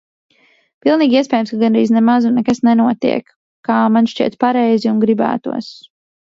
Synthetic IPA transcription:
pilˠniːɡʲiɛs̬ʲpɛːjamskaɡanbɾḭːznɛmazunːɛkasnɛnuɔt̪ḭɛkː | aːmanʃt͡ʃḭɛt̪paɾɛjziunɡɾibæ̰ːt̪ṵɔs

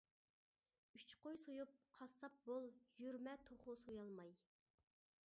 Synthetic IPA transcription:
yt͡ʃqojsojup̚qʰɑsːɑp̚bolˠjyɾmɛt̪ʰoχʊsujɑlˠmɑj

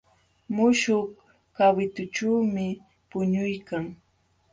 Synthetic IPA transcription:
mʊʃʊh | kawɪt̪ʊʈ͡ʂaːmɪ | pʊɲʊjkaŋ

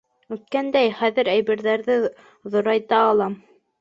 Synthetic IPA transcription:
ʉt̪̚kænd̪æjχæðɘɾæjβɘ̆ɾðæɾðɘ | ðŏɾɑjt̪ɑːlˠɑm

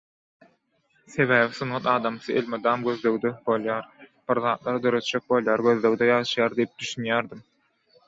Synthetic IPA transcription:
se̞βæːβisunʁɑt̪ɑːd̪ɑmsɯḛlʲmed̪ɑːmɡʲø̞ðløwd̪øbo̞lˠjɑːɾb̥iɾðɑːt̪̚lˠɑɾɯd̪ø̞ɾø̞t̪d͡ʒek̚bo̞lˠjɑːɾɡøðløwd̪ejɑːʃɯjɑːɾd̪ijip̚d̪yʃynjæːɾd̪im

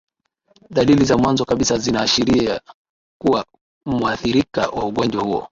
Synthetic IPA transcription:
ɗalilizamwanzɔkaɓisazinaːʃiɾia | kuwa | muaθiɾika̰wʔauɠɔnd͡ʒwahuɔ̰

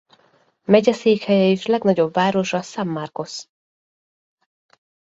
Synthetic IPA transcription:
mɛɟɛseːkhɛjɛeʃlɛɡnɒɟo̞bvaːɾo̞ʃɒsamːarko̞s

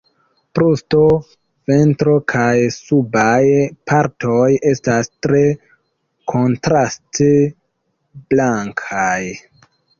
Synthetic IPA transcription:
pɾusto | ve̞ntɾo̞kʰajsubajpʰaɾtoje̞stastɾe̞ | kʰo̞ntɾaste | blaŋkʰaj

